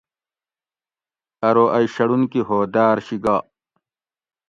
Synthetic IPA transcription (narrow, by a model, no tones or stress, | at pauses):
ɐɾoʔɐjɕɐɽunkiɦoːd̪aːɾɕiɡaː